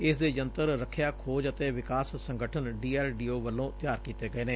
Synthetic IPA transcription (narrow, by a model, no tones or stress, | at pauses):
ɪsd̪eːd͡ʒənt̪əɾɾəkʰːjaːkʰoːd͡ʒət̪eːʋɪkaːssəŋɡəʈʰənɖiːɛːlɖiːoːʋəlːõːt̪jaːɾkiːt̪eːɡəeːneː